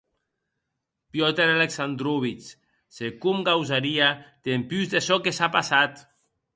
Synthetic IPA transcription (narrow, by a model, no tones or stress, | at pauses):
pjɔt̪eɾaleksand̪ɾuβ̞it͡ʃ | sekumɡawzaɾiat̪empyzðesɔkesapasat̪